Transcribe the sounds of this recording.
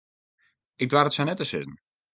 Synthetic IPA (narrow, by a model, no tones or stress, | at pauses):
ɪk̚dwaɾətsanɛtəsɪ̰tn̩